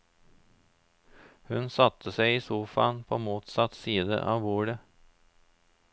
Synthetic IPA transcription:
hɵnsɑt̪ʰːəsɛɪɪsuːfɑnpʰomuːt̪sɑt̪siːd̪ə̰ʔɑ̰ʋbuːɖə

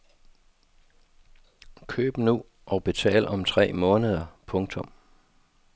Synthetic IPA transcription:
kʰø̰ːb̥nu | ʔɒ̽b̥e̝t͡sʰɛ̰ːlɒ̽mt͡sʰʁɛ̰ːmɔ̽ːnəð̞ˠɐpʰɔ̽ŋt͡sʰɔ̽m

